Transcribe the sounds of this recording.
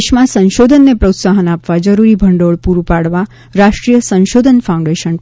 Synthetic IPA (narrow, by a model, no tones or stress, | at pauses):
ʃmãsə̃nʃod̪ʱənːepɾot̪saɦənapʋad͡ʒəɾuɾibʱəɳɖoɭpuɾupaɽʋa | ɾaʃʈɾijəsə̃nʃod̪ʱənfʰaũɳɖeʃən